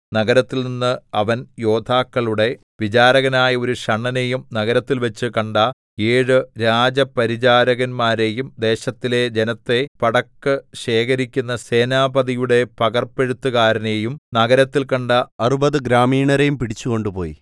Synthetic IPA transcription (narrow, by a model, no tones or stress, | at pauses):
nɐɡɐɾɐt̪ːilninːɨɐʋɐnjo̞ːd̪ʰʱaːkːɐɭuɽe̞ | ʋit͡ɕaːɾɐɣɐnaːjɐo̞ɾuɕɐɳːɐne̞jumnɐɣɐɾɐt̪ːilʋɐt͡ɕːɨkɐɳɖɐ | eːɻɨɾaːd͡ʑɐpɐɾid͡ʑaːɾɐɣɐnmaːɾe̞jumd̪e̞ːɕɐt̪ːile̞d͡ʑenɐt̪ːe̞pɐɽɐkːɨɕe̞ːkɐɾikʲːunːɐse̞ːnaːbɐðijuɽe̞pɐɣɐrpe̞ɻut̪ːukaːɾɐne̞jumnɐɣɐɾɐt̪ːilkɐɳɖɐɐrubɐðɨɡɾaːmiːɳɐɾejumpiɽit͡ɕːuko̞ɳɖupo̞ːjḭ